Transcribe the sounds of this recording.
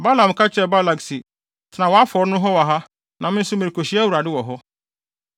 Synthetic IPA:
ba˦lã˨m˨kʰa˦t͡ɕʰᶣɛ˨ba˦la˨ksi˨ | tʰɪ˨nã˨wɔ˨a˦fɔ˨ɾnʊ̃˦ɦɔ˦wa˨ɦa˦ | nʔã˨mɪ̃˦n̩˦sʊ˦mɪ̃˨ɾi˨kʰo˨ɕi˨˦æ˦wu˨ɾa˨dɪ˦wɔ˨ɦɔ˦

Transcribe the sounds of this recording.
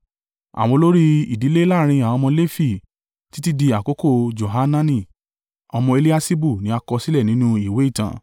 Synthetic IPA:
a̰˨w̃ɔ̃˧lo˦ɾi˦i˨di˨˦le˦la˦˨ɾ̃ĩ˧a˨ɔ˧mɔ̃˧le˦fi˦˨ | ti˦ti˦di˧a˨ko˨˦ko˦˨d͡ʒo˨ɦa˦nã˦nĩ˦˨ | ɔ˧mɔ̃˧e˧li˦a˦si˦bu˦˨nĩ˨˦a˧kɔ˧si˦lɛ˦˨nĩ˨˦nũ˦i˨we˨˦i˦˨tã̰˨

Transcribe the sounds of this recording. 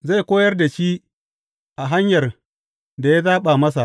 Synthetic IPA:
za˦˨jkʷoː˦jɐ˦rda˨ʃiː˦ | ʔa˨ɦa˦ɲjɐ˨r | da˨ja˦zaː˦ɓa˨mɐ˦s̬a˨ʔ

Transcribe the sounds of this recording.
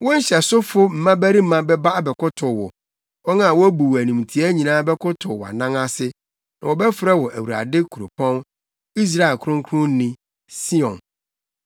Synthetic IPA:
wɔ̃˦n̩˦ɕɛ˨sʊ˦fʊ˦m̩˨˦mã˦bæ˦ɾi˦m̩˦mã˦bɛ˦ba˦a˨bɛ˨kʰʊ˦tʰʊ˨wɔ̰˨ | wɔ˦nã˦˨wɔ˦bu˨wæ˨nũ˨m˨tʰi˨˦æ˦ɲĩ˨nãː˦bɛ˦kʰʊ˦tʰʊ˨wɔ˨a̰˨nã˦ŋa˦sɪ˦ | nã˨wɔ˨bɛ˦fɪ˨ɾɛ˦wɔ˨ʔæ˨wu˨ɾa̰˨dɪ˦kʰu˨o̰˨pʰɔ̃˦n | i˦s̬ɾa˦ɛ˨lkʰʊ̃˦ŋ˦kʰʊ˦ʊ̃˦nĩ˨ | si˦ɔ̃˨n

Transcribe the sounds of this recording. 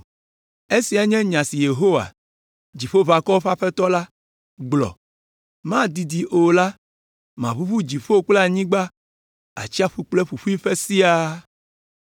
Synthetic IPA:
e˦si˨a˨ɲɛ̃˦ɲã˨si˨je˨ɦo˦wa̰˨ | d͡ʑi˨ɸo˦va˨kɔ˦o˦ɸa˦ɸɛ˦t̪ɔ˦la˦ | ɡ͡blɔ̰˨ | mã˦d̪i˨d̪i˨ʔo˨la˦ | mã˨βu˦ɸu˦d͡ʑi˨fo˦k͡plɛ˦a˨ɲĩ˦ɡ͡ba˦ | a̰˨t͡ɕi˦a˦ɸu˦k͡plɛ˦ɸu˨ɸu˦i˦ɸɛ˦si˦a˦

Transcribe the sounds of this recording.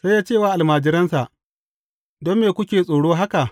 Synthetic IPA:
sa˦jːaː˦t͡ʃeː˦˨waː˨˦ʔa˨lmaː˨d͡ʒɪ˦ɾɐ˦nsa˨ʔ | dɔ˦mːeː˨kʷʊ˦kʲeː˨sʼoː˨ɽoː˦ɦa˦ka˨ʔ

